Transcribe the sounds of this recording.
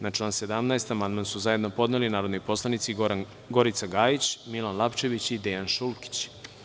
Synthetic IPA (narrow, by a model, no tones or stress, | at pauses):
nat͡ʃlˠaːnse̞d̪amnaest̪amand̪mansuzaje̞d̪no̞po̞d̪nelinaːɾo̞d̪nojpo̞slˠanit̪si | ɡo̞ɾit̪saɡaːjit͡ɕmilanlˠapt͡ʃe̞ʋit͡ɕid̪ejanʃulˠki̥t͡ɕ